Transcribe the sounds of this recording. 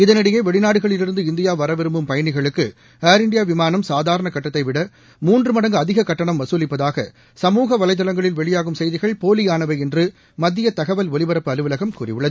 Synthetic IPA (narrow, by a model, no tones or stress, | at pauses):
ɪðɐnɪɽɪjɐɪʋɛɭɪnaːɽɯɣɐɭɪlɪɾɯnd̪ɯɪnd̪ɪjaːʋɐɾɐʋɛɾɯmbɯmpɐjɐnɪɣɐɭɯkːɯ | aːɾɪɳɖɪjaːʋɪmaːnɐmsaːðaːɾɐɳɐkɐʈːɐt̪ːɐɪʋɪɽɐ | muːndrɯmɐɽɐŋɡɯɐðɪɣɐkɐʈːɐɳɐmʋɐsuːlɪpːɐðaːɣɐ̰ | sɐmuːɣɐʋɐlɐɪt̪̬ːɐlɐŋɡɐɭɪlʋɛɭɪjaːɣɯmsɛjðɪɣɐɭpoːlɪjaːnɐʋɐɪɛndrɯ | mɐd̪ːɪjɐt̪ɐɣɐʋɐlʋɔlɪʋɐɾɐpːɯɐlɯʋɐlɐɣɐmkuːrɪ̰ʋɯɭːɐðɯ